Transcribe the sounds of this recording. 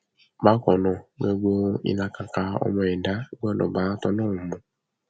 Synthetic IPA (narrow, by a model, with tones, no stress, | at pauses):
ba˦kɔ˨nɔ˨ɡ͡be˦ɡ͡bo˦ḭ˦na˧ka˨ka˦ɔ̰˦mɔ˨ɛ˨da˦ɡ͡bɔ˦nɔ̰˨ba˨˦tɔ˦nɔ˦u˨mɔ̃˨